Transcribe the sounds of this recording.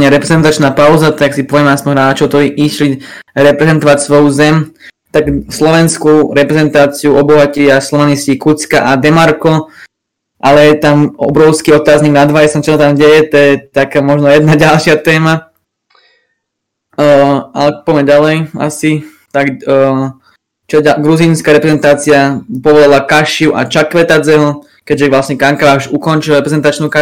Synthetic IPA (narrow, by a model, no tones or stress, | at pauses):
ɲɛɾɛpɾɛzɛnt̪at͡ʃnaːpaʊzat̪aksipɔʋɛmaspɔnɦɾaːt͡ʃɔʊt̪ɔiʔiʃliɾɛpɾɛzɛnt̪ɔʋacsʋɔjuzɛmt̪aɡslɔʋɛnskuɾɛpɾɛzɛnt̪aːt͡siuɔbɔɦaciaslɔʋaniscikut͡skaʔad̪ɛmaɾkɔ | ʔalɛjɛt̪amɔbɾɔʊskiɔt̪aːzɲiɡnad̪ʋajɛsamt͡ʃɔsat̪amɟɛjɛt̪ɔjɛt̪akaːmɔʒnɔjɛd̪naɟalʃɪat̪ɛːma | alɛpɔmɛɟalɛja̰si | t̪aɡ | t͡ʃɛaɡɾuziːnskaɾɛpɾɛzɛnt̪aːt͡siapɔʋɔlalakaʃiuʔa̰t͡ʃakʋɛt̪at͡sɛɦɔ | kɛɟʒɛʋlasɲɛkaŋkaʋaʃukɔnt͡ʃilɾɛpɾɛzɛnt̪at͡ʃnuka